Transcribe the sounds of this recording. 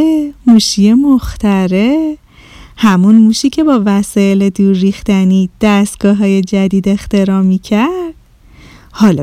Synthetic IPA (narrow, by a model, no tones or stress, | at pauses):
emuːʃije̞moxt̪æɾe̞ | hæmunmuːʃiːcʰe̞bɒːvæsɒːele̞d̪uːɾːixt̪æniːd̪̥æst̪̚ɡ̥ɒːɦɒːje̞d͡ʒæd̪iːd̪e̞xt̪e̞ɾɒːmiːcʰæɾɾd̪̥ | hɒːl